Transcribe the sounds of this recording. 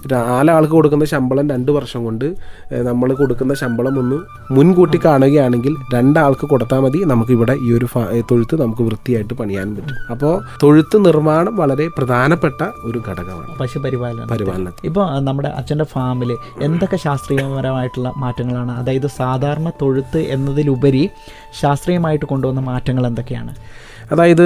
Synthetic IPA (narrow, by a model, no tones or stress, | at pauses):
ɾaːlaːɭkɨko̞ɽuk̬ːunːɐɕɐmbɐɭɐmɾe̞ɳɖɨʋɐrʂɐŋko̞ɳɖɨnɐmːɐɭko̞ɽukːunːɐɕɐmbɐɭɐmo̞nːɨ | munkuːʈːikːaːɳuɣɐjaːɳe̞ŋɡilɾe̞ɳɖaːɭkɨko̞ɽut̪ːaːmɐðinɐmuk̬ːiʋiɽe̞ʔiːo̞ɾufat̪o̞ɻut̪ːɨnɐmukːɨʋrɨt̪ːijaːjiʈːɨpɐɳija̰ːnumpɐtːumɐpːo̞ːt̪o̞ɻut̪ːɨnirmaːɳɐmʋɐɭɐɾe̞prɐd̪ʱaːnɐpːe̞ʈːɐo̞ɾuɡʱɐɽɐɣɐma̰ːɳɨpɐɕupɐɾiʋaːlɐnɐ̰pɐɾiʋa̰ːlɐnɐipːo̞ːnɐmːuɽe̞̰ʔɐ̰t͡ɕːɐndefaːmil | end̪o̞kːe̞ɕaːst̪rijɐmɐɾɐmaːjiʈːuɭːɐmaːtːɐŋːɐɭaːɳɨɐðaːjɐðɨsaːd̪ʱaːɾɐɳɐt̪o̞ɻut̪ːɨʔe̞nːɐðilubɐɾi | ɕaːst̪rijɐmaːjiʈːɨko̞ɳɖuʋɐnːɐmaːtːɐŋːɐɭe̞nd̪o̞kːe̞ja̰ːɳɨ̰ | ɐðaːjɐðɨ